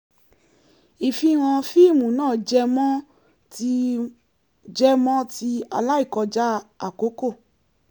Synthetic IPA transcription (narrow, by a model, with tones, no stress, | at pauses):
i˨fi˧w̃ɔ̃˧fi˦˨mũ˨˦nãː˦˨d͡ʒɛ˧mɔ̃˦ | ti˧ | d͡ʒɛ˦mɔ̃˦ti˧a̰˧la˦i˦˨kɔ˧d͡ʒa˦a˨ko˨˦ko˦˨